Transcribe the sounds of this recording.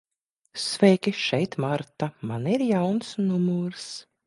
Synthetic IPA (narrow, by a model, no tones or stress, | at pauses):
svɛjkʲiʃɛjt̪maɾt̪amaniɾjawnsnumuɾs